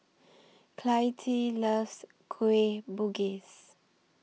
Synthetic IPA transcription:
kʰlajtʰiləs | kʰuebuɡis

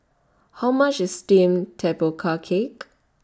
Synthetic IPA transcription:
haʊmat͡ʃəstĩmtʰɛpəkʰakʰek

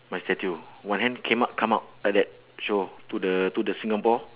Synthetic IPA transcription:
mastɛtuwãnɦɛ̃nkʰẽmap̚kʰãmaʊp̚ɛt̚dɛt̚ | ʃotudətudəsĩŋapɔ

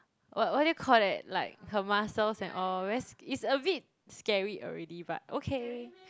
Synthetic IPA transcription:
wɔt̚wɔt̚jukʰɔldɛt̚laɪk̚həmasəlsɛ̃nʔɔlwɛsitsəbit̚ | skɛɹiʔɔ̰ɹɛdiba̰t̚ʔo̰kʰe

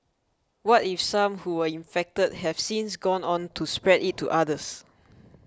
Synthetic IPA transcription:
wɔtifsãmhuwəĩnfɛk̚təd̚hɛv̥sĩns̬ɡɔ̃nɔ̃ntʰuspɹɛditʰːṵʔadəs

